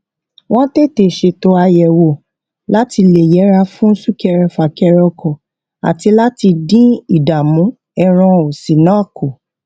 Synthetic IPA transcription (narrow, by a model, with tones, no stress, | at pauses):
w̃ɔ̃˦te˦te˦˨ʃe˧to˧a˧jɛ˨wo˨ | la˦ti˧le˨jɛ˨˦ɾa˧fũ˦su˦kɛ˧ɾɛ˧fa˨kɛ˧ɾɔ˧kʰɔ˨ | a̰˨ti˧la˦ti˧dĩ˦i˦˨da˨mũ˨˦ | ɛ˧ɾ̃ɔ̃˧o˨sĩ˨nɔ̃˨˦˨ko˨